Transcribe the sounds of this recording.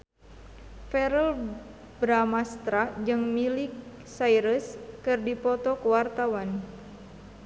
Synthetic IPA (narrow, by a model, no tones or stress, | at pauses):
fɛɾəl | bɾamast̪ɾad͡ʒɨŋmilik̚ | saiɾəskɨrdipɔt̪ɔkuwart̪awan